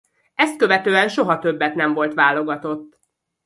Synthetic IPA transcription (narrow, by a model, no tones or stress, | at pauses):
ɛst̪̚køvɛt̪øːɛnʃo̞ɦɒt̪øbːɛt̪nɛɱvo̞lt̪ʋaːlo̞ɡɒt̪o̞t̪ː